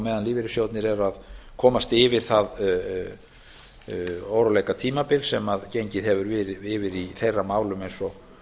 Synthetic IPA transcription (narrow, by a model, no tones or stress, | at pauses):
mɛːðanliːvɪɾʏsjowt̪nɪɾɛɾaðkʰɔːmast̪ɪvɪɾ̥θað | owɾalejkat̪ʰiːmapɪlsɛmaðcejɲcɪðɦɛvʏɾvɪːɾɪɪvɪɾiθejrːamaːwlʏmejnsɔ